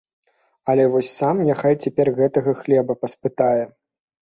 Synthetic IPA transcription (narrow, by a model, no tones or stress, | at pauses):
ɐlʲɛvɔsʲsamjaxajt͡sʲɛpʲɛrɣɛt̪ɐɣɐxlʲɛbɐpɐspɨt̪ajɛ